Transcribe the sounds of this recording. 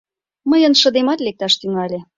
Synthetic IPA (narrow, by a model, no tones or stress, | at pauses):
məjənʃə̆d̪emɑt̪lek̚t̪ɑʃt̪yŋɑlʲe